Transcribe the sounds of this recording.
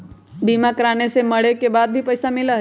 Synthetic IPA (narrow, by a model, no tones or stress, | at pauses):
biːmakɾaːneseməɽekebaːd̪̚bʱipəjsamɪləɦ